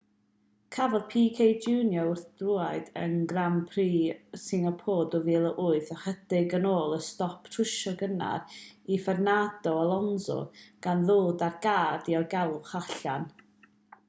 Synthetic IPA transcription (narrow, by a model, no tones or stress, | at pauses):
kʰavɛlpʰiːkʰejd͡ʒuːnjɔʊrθd̥ruaɨdə̰nɡrampʰriːsɪŋapʰoːdɔviːlˠəʔʊɨθəχəd̥ɪɡənoːlˠəstɔpʰtʰrɪʃɔɡəna̰rifɛrnad̥ɔɔlˠɔnzɔ̰ɡ̥anðoːdarɡaːrdiɔrɡɛlˠχaɬan